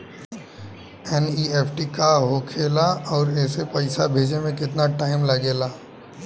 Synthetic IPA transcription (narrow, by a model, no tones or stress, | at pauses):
ɛnieːpʰʈikaɦokʰeːlaɔːɾɛːsepɐɪsabʱeːd͡ʒemẽkɪt̪naʈaːɪmlɐɡeːlaː